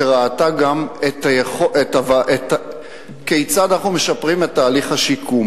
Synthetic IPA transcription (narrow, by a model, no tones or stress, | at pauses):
eʁaataɡamet̪ajeχoʔetavaʔeta | kejt͡sad̪anaχnume̞ʃapʁimet̪ːaːliχhaʃikʰum